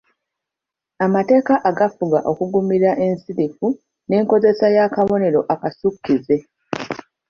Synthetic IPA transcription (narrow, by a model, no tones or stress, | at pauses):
amate̞ːkaʔaɡafuɡaʔo̞kuɡumiɾaʔe̞nsiɾifu | ne̞ːŋko̞ze̞sajakaβo̞ne̞ɾo̞ʔakasukːize̞